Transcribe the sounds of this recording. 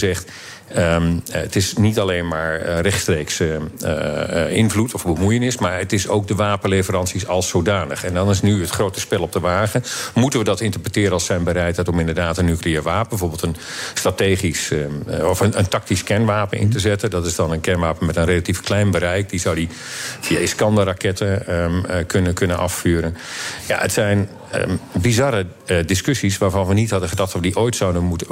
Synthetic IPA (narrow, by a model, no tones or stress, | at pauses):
zɛχt | əətɪsnitalenmaːɹrɛχtstrejksə | ɪnvlutʰɔfbəmujənɪsmaːɹətɪso̰wk̚dəʋaːpənlejvəɾɑnsisɑlˠsːowdaːnəχɛndɔnɪsnyɦətχrowtəspɛlˠɔp̚dəʋaːɣəmutənʋədɑtɪntəɹprətɪːɾəɑlˠsɛjnbəɾɛjtɛtɔmɪ̃ndəɹdaːtənːykliəːɹʋaːpbəvoːbəlˠtənstrateːχisɔfənəntɑk̚tiskɛnʋaːpənʔɪ̰ntəzɛtəndɑtɪzdɑnənkɛnʋaːpənmɛtənrelatifklɛjnbəɾɛjk̚dizɔwdi | fiaiskɑndərakɛtə | kønəkønənʔɑ̰ffyːɾənja̰ətsɛjn̰ | bizɑɾə | dɪskøsisʋaːɹvɑnʋənithɑdəχədɑχtʋədiʔoːjtsawdəmut